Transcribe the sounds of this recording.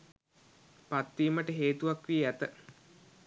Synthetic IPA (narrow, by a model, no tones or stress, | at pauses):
pat̪ːiːməʈəɦeːt̪uʋakʋiːæt̪ə